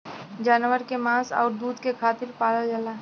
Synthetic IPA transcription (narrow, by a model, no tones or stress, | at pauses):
d͡ʒaːnʋəɾkemãːsɔ̰ːɾd̪uːd̪kekʰaːt̪ɪɾpaːləld͡ʒala